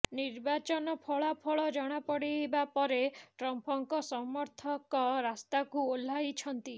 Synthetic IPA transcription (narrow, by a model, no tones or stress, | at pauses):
niɾbat͡ʃɔnɔpʰɔɭapʰɔɭɔd͡ʒɔɽ̃apɔɽiɦebapɔɾeʈɾɔmpɔŋkɔsɔmɔɾt̪ʰɔkɔɾast̪akuol̤ːajt͡ʃʰɔnt̪i